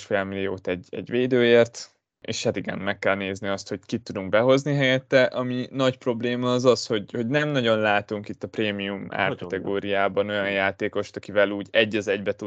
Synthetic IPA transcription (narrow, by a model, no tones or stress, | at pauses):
ʃfɛlmilijoːt̪ɛɟɛ̰ɟʋeːd̪øːjeːrt̪ | ḛːʃhɛat̪iɡɛ̰nmɛkːɛlneːzniɒst̪ho̞ckit̪ːud̪uŋkbɛɦo̞zniɦɛjɛt̪ːɛʔɒminɒcpro̞bleːmɒːzɒsho̞ɟho̞ɟnɛmnɒɟo̞nlaːt̪uŋkit̪ːɒpreːmijuma̰ːrkɒt̪ɛɡoːɾijaːbɒno̞jɒnjaːt̪eːko̞ʃt̪ɒkivɛluːɟɛɟːɒzɛɟbɛt̪u